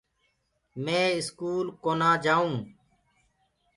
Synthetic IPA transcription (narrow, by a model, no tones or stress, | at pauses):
mẽːɪskuːlkoːnãːd͡ʒaːũː